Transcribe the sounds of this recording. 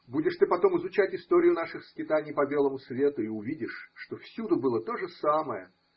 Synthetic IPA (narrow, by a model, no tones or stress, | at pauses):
budʲɪʂt̪ɨpɐt̪o̞mɨzʊt͡ɕætʲɪst̪o̞ɾʲɪjʊnaʂɨxskʲɪt̪anʲɪjpɐbʲe̞lˠəmʊsvʲe̞t̪ʊiʊvʲidʲɪʂːt̪o̞fsʲud̪ʊbɨlˠət̪o̞ʐɨsaməjə